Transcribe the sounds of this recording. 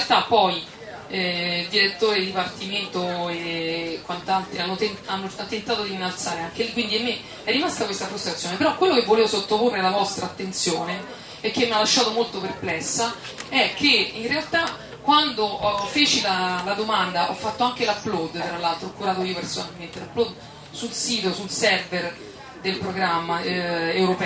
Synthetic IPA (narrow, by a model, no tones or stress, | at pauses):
alt̪apːɔj | ɛd̪iɾet̪ːoːɾed̪ipart̪iment̪oekwant̪alt̪ɾianːot̪enanːoat̪ent̪aːt̪od̪iinːalt̪saːɾeaŋk̟elikwind̪iamːe | ɛrːimast̪akwest̪afɾust̪ɾat̪sjoːnepeɾɔkːwelːokevːoleːvosot̪ːoporːelavɔst̪ɾaːt̪ːent̪sjoːne | ɛkːemːialːaʃːaːt̪omolt̪operplɛsːa | ɛkʰːeinrealt̪a | kːwand̪ofeːt͡ʃilalad̪omand̪aʔɔfːat̪ːoaŋkelaplɔd̪t̪ɾalːalt̪ɾoɔkːuɾaːt̪oiːopersonalment̪elapːlɔd̪ | sulsiːt̪osulsɛrver | d̪elpɾoɡɾamːaewɾopɛ